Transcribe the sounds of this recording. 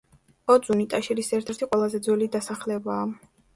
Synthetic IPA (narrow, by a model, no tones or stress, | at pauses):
ɔd̪zunit̪ʼaʃiɾisɛɾt̪ʰɛɾt̪ʰiqʼwɛlˠazɛd̪zɔlid̪asaχlɛbaː